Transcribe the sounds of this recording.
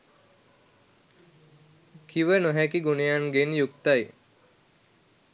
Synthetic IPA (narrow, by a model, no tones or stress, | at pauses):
kʰiʋənoɦɛkiɡunejanɡenjukt̪aj